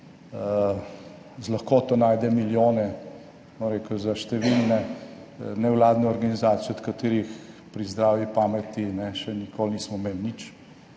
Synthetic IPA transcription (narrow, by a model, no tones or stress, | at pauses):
zlaxkoːt̪ɔnaːjd̪ɛmiljoːnɛ | mɔnɾeːkuzaʃt̪ɛʋilnɛ | nɛwlaːd̪nɛɔɾɡanizaːt̪sijɔt̪kat̪eːɾixpɾizd̪ɾaːʋipaːmɛt̪inɛʃɛnikʰolnismɔmelnit͡ʃ